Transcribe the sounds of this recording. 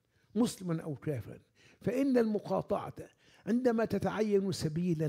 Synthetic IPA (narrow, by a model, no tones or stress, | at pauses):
mʊslɪmanʔawkæːfɪɾa̰n | faʔɪnːalmʊqɑːt̪ˤɑ̰ʕɑ̰t̪ | ʕɪnd̪amat̪at̪aʕajːansabiːla